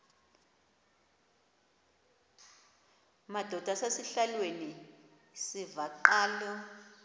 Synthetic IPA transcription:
mad̥ʱɔd̥ʱasasiɬalweni | sivaǃaːlɔ

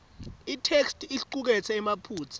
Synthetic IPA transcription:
itʰekstʰʼiɬǃuk̬ɛt͡sʰɛɛmapʰuːt͡sʰḁ

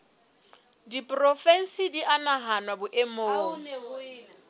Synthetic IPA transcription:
dipʼrɔfɛn̩sidiʔanaɦanwabʊʔemoːŋ

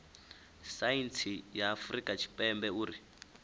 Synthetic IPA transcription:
sajint͡sʰijaːfrikʼat͡ʃʰi̥pʼɛmbɛuːɾi

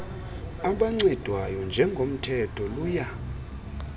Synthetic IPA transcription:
aɓaŋ͡ǀɛd̥ʱwajɔnd͡ʒʱɛŋɡʱom̩tʰɛtʰɔluːja

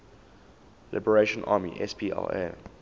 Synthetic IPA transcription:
lɪ̰bəɹeʃə̃nʔa̰ːmiʔɛspʰiɛ̰lɛ̰

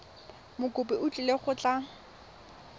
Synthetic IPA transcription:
mʊkʼʊpɪʊt͡ɬʼileχʊt͡ɬʼa

